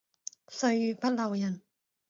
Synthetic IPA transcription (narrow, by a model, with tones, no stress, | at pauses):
sɵ˧˥ɥyː˨˩pɐ˦˥t̚lɐ˨˩wjɐ˨˩n